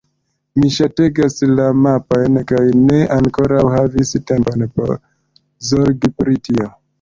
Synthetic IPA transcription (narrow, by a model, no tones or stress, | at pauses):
miʃate̞ɡaslamapojnkajne̞ʔaŋko̞ɾawɦaviste̞mponpo̰ɾ | zoɾɡipɾitio̞